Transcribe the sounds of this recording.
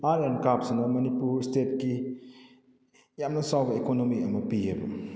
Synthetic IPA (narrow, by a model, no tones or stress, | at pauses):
aɾenkap̚sinɐmɐnipuɾstet̚ki | jamnɐsawbɐekonomiɐmɐpijebɐ